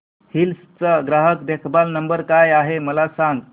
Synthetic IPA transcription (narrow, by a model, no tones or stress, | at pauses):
hilst͡səɡɾaɦəkd̪ekʰbalnəmbəɾkajaɦeməlasãŋɡ